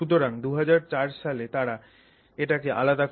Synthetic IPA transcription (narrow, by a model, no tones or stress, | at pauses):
ut̪̬oɾaŋd̪uɦad͡ʑaɾt͡ɕaɾʃalet̪aɾa | eʈakeʔa̰lad̪ak